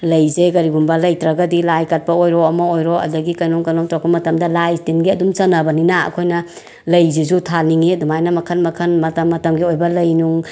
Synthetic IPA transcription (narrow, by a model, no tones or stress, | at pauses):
lɐjzekɐɾiɡumbɐlɐjtɾɐɡɐdilajkɐt̚pɐojɾɔɐmɐojɾɔɐ̰dɐɡikɐnɔŋkɐnɔŋtɾɔk̚pɐmɐtɐmdɐlajstinɡiɐdumt͡ʃɐnɐbɐninaɐ̰kʰojnɐ | lɐjzizutʰaniŋidumajnɐmɐkʰɐnmɐkʰɐnmɐtɐmːɐtɐmɡiojbɐlɐjnuŋ